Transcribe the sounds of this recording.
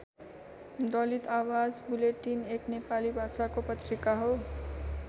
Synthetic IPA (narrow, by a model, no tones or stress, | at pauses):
d̪ʌlit̪awad͡zbuleʈːineknepalibʱasakopʌtʰrikaɦo